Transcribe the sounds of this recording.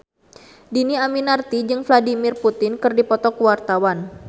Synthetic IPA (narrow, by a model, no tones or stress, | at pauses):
diniaminart̪id͡ʒɨŋfladimɪrput̪ɪnkɨrdipɔt̪ɔkuwart̪awan